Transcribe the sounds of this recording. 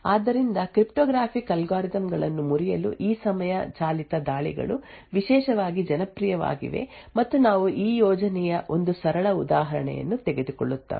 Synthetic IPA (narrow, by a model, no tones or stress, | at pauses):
aːd̪ːɐɾind̪ɐkɾipʈɔːɡɾaːpʰikɐlɡaːɾid̪ɐmɡɐɭɐnːumuɾijɐlṵʔiːsɐmɐjɐt͡ʃaːlit̪ɐd̪aːɭḭɡɐ̰ɭu | ʋiʃɛːʃɐʋaːɡid͡ʒɐnɐpɾijɐʋa̰ːɡḭʋe̞̰ | mɐt̪ːunaːʋuʔiːjɔːd͡ʒɐnɛjɐʔo̞nd̪usɐɾɐɭɐud̪aːɦɐɾɐɳɛ̰jɐ̰nːut̪ɛɡe̞d̪ukɔ̰ɭːut̪ːa̰ː